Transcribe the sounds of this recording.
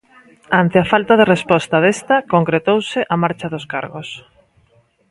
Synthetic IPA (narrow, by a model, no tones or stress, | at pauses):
ant̪ɪafalt̪aðerespɔst̪aðest̪ɐkoŋkɾet̪owsɪʔamaɾt͡ʃaðʊska̰ɾɣos